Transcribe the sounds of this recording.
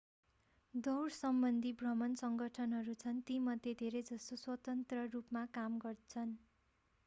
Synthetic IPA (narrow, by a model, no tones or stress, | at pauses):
d̪ʌwrsʌmbʌnd̪ʱibrʌmʌnsʌŋɡʌʈʰʌnɦʌɾut͡sʰʌnt̪imʌd̪ʱjed̪ʱeɾʌjd͡zʌst̪oswʌt̪ʌnt̪rʌrupmakamɡʌrt͡sʰʌn